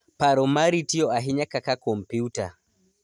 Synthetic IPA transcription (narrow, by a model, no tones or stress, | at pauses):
paɾɔmaɾitiɔaɦiɲakakakɔmpjiuta̰